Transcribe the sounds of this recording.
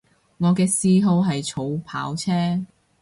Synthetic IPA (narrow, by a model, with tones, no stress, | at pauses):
ŋɔː˨˧kɛː˧siː˧ɦo˧wɦɐ˨jt͡sʰo˨˧wpʰa̰ː˨˥wt͡sʰɛː˥